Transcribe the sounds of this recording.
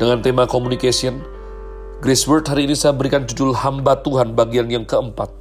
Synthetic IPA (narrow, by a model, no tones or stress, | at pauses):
d̥əŋant̪emakomunikesiən | ɡɾɛswərt̪̚ɦaɾiːnisajabəɾikand͡ʒudʊlhambat̪uɦanbaɡianjaŋkəəmpat̪̚